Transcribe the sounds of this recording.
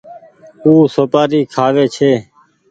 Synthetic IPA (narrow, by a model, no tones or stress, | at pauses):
uːsoːpaːɾiːkʰaːʋeːt͡ʃʰeː